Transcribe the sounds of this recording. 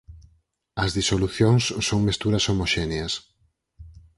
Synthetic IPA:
ɐzðisoluθjoŋsːoŋmest̪uɾɐsomoʃɛneɐs

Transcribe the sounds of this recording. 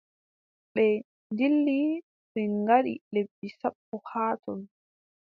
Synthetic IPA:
ɓɛ | ndilːi | ɓɛŋɡaɗḭlebːisaɓːɔhaːtɔl

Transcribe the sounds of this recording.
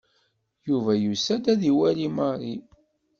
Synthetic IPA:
juvæjusæd̪æðiwælimɑrˤi

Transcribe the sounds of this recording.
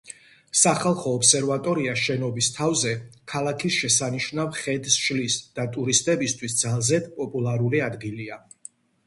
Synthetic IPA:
saχalˠχɔːpsɛɾvat̪ʼɔɾiaʃɛnɔbist̪ʰavzɛkʰalˠakʰisʃɛsaniʃnavχɛd̪sʃlisd̪̥at̪ʼuɾist̪ʼɛbist̪ʰwisd̪zalˠzɛd̪pʼɔpʼulˠaɾuliad̪ɡilia

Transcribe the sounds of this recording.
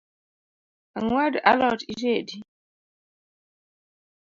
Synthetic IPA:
aŋwada̰lɔtiɾedi

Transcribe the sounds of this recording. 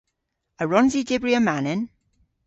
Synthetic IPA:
əɹɔnzidɪbɹiəmanɪn

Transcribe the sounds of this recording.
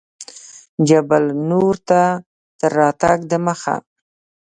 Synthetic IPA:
d͡ʒabalnoɾt̪a | d̪̥əɾːɑt̪aɡd̪əməxa̰

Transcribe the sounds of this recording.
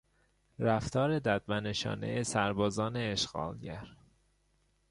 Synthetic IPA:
ɾæft̪ʰɒːɾe̞d̪æd̪̚mæneʃɒ̰ːnḛesæɾbɒːzɒːne̞ːʃɣ̥ɒ̰ːlɟæɾ

